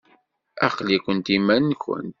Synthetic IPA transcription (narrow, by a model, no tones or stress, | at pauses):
æqlikʷənt̪imænnkə̰nt̪